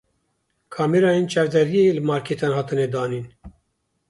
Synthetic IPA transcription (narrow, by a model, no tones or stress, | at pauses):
kʰɑːmeɾɑːjent͡ʃʰɛɾd̪ɛɾielɨmɑːɾkʰet̪ʰɑːnhɑːt̪ɨned̪ɑːniːn